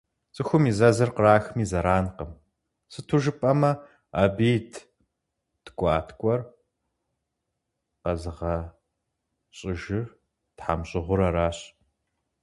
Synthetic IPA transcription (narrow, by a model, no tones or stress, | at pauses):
t͡sʼɨxʷʊmiːzɐzɨrqəraːxmiːzɐɾaːnqəm | sɨtʰuʒɨpʼɐmɐ | abiːtʰ | tɡʷʼɑːtʰkʷʼɔr | qɐzɨʁɐ | ɕʼɪʒɪr | tħamɕʼɪʁʷʊɾɐɾaːɕʼ